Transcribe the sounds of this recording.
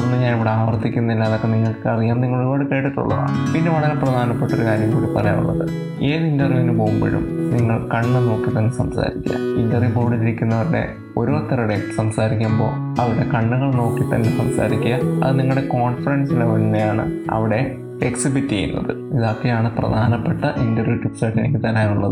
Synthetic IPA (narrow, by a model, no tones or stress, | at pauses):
onːɨɲaːniʋiɽe̞aːʋɐrt̪ːikʲːunːɐinːaːðokːeniŋːɐɭkɨɐrijaːmniŋːɐɭoɾubaːɽɨke̞ːʈːiʈːṵɭːɐ̰ða̰pinːe̞ʋɐɭɐɾeprɐd̪ʱaːnɐpːeʈːoɾukaːɾjɐmkuːɽipːɐrɐja̰ːɳṵɭːɐðɨ | eːðindɐriɐnupo̞ːɣumbo̰ɻṵmniŋːɐɭkɐɳːɨno̞ːkːit̪ɐnːesɐmsa̰ːɾikʲːɐ̰indɐrimboːɽiɾiɾikʲːunːɐʋɐɾɽe̞̰ | o̞ɾo̞ːt̪ːɐɾɐɽesɐmsaːɾikʲːumbo̞̰ː | ɐʋiɽe̞kɐɳːuɣɐɭno̞ːkːit̪ɐnːe̞sɐmsa̰ːɾikʲːuɐɐðɨniŋːɐɭɽe̞ko̞ːnfɐɾensileʋɐnnejaːɳɨ̰ɐ̰ʋiɽe̞ | eksibitːiɐjṵnːɐ̰ðɨ | iðoːkːejaːɳɨprɐ̰d̪ʱaːnɐpːeʈːɐʔindɐrʋjuːtːupsaːʈːenikʲːɨt̪ɐnːeːjuɭːɐ̰ðɨ